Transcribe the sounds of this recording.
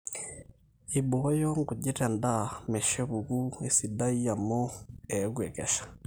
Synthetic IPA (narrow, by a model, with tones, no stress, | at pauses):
iβojo˦ŋɡu˨ɟi˦ɾe˨nda˦me˨ʃe˦βuɡu˦e˨sida˦i˦ja˨mo˦eɡwe˨ke˨ʃḁ